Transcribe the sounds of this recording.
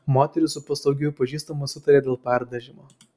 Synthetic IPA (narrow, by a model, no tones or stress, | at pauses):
moːt̪ʲɛɾʲʊsʊpɐslˠɐʊɡʲʊjʊpɐʒʲiːst̪ɐmʊsʲʊt̪ɐɾʲeːd̪ʲeːlˠpʲɛɾd̪ɐʒʲɪmoː